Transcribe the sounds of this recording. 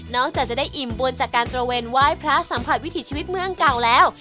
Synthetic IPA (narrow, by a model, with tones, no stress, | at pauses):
nɔː˥˩k̚t͡ɕaː˨˩k̚t͡ɕa˨˩daː˥˩jʔi˨˩mbu˧nt͡ɕaː˨˩kːaː˧nt̪ɾa˧weː˧nwaː˥˩jpʰɾa˦˥sa˩˦mpʰa˨˩t̪̚wi˦˥t̪ʰiː˧˩t͡ɕʰiː˧wi˦˥t̪̚mɯ˥˩˨əŋka˨˩wlɛː˦˥w